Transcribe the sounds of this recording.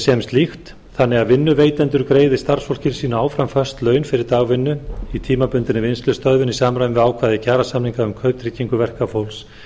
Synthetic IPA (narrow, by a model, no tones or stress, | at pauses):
sjɛmst̪lixt̪ | θanːɛɣaðvɪnːʏveːjt̪ɛnt̪ʏɾkɾeːjðɪst̪ar̥sfowl̥cɪɾsiːnaaːwfɾamfœst̪lœːɥnfɪɾɪɾt̪aːɣvɪnːʏit̪ʰiːmapʏnt̪ɪnɪvnst̪lʏst̪œðvʏnisaːmɾajɪnvɪðaːwkʰvaːðɪcʰaːɾasamniŋkaʏmkʰœɥp̚t̪ɾiːciŋkʏvɛr̥kafowls